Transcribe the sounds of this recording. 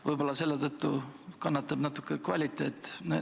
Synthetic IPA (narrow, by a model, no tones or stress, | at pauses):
vɤjbo̞lːɑse̞lːet̪ɤt̪ːukɑnːɑt̪ːˑɑb̥nɑt̪ːˑu̥kːˑekvɑlʲit̪ːˑe̞ːt̪ːˑne